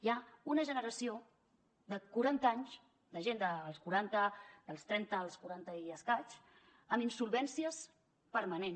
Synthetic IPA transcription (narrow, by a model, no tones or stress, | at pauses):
jaunəʒənəɾəsio | ðəkuɾant̪aɲs | d̪əʒend̪əːlˠskuɾant̪əd̪əlˠst̪ɾɛnt̪əːlˠskuɾant̪əiəskat͡ʃ | əminsulˠβɛnsiəs | pəɾmənen